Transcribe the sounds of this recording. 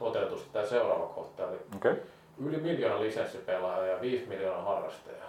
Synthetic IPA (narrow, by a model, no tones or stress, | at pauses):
ot̪et̪ust̪t̪æseurɑ̰ːʋɑkʰoht̪ɑli | ylimiljoːnɑlisensːipelɑjɑjɑʋiːsmiljoːnɑhɑrːɑ̰st̪ɑ̰jɑ